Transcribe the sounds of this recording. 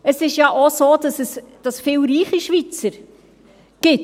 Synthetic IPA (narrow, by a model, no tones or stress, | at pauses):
əsɪʃjɑʔosoːd̥ɑsɛsd̥ɑsfɪːlɾiːχiʃvit͡səɾ | ɡ̥ɪt